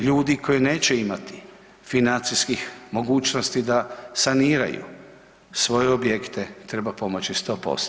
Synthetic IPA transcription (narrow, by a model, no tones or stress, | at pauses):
ʎuːd̪ikʰo̞jene̞ːt͡ɕeimat̪i̥ | finant̪siskixmo̞ɡuːt͡ʃnost̪id̪asaniːɾa̰jṵ | sʋo̞jeobje̞kt̪e̞t̪ɾe̞bapo̞mo̞t͡ɕist̪o̞ːpo̰st̪